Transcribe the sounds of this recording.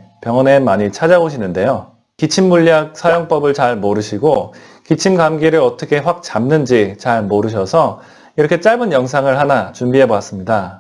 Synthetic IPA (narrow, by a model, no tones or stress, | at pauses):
pjʌŋʌnenmaɲit͡ɕʰad͡ʑaboɕʰinɯnde̞jo | kit͡ɕʰimːuʎjak̚sʰajʌŋp͈ʌbɯɭt͡ɕaɭmoɾɯɕʰiɡo | kit͡ɕʰimɡamɡiɾɯɾʌt͈ʌkʰe̞ɸwak̚t͡ɕamnɯnd͡ʑit͡ɕaɭmoɾɯɕ̬ʰʌsʰʌ | iɾʌkʰe̞t͡ɕ͈aɭbɯnjʌŋs̬ʰaŋɯɭɦanat͡ɕumbiɦe̞boas͈ɯmɲida